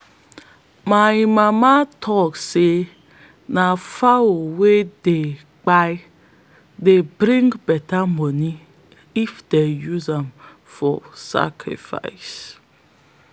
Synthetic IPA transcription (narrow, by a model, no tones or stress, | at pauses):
majmamatʰɔkse | nafawowede | k͡paj | debɾĩŋɡbɛtamɔni | ifdejuzãm | fɔ̰sa̰kʰɾḭfa̰js